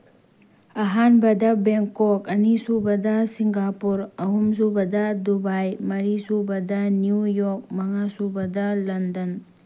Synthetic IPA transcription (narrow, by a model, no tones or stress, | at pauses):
ɐɦanbɐdabeŋkɔkɐnisubɐdasiŋɡapuɾɐɦumsubɐdadubajmɐɾisubɐdaniujɔk̚mɐŋasubɐdalɐndɐn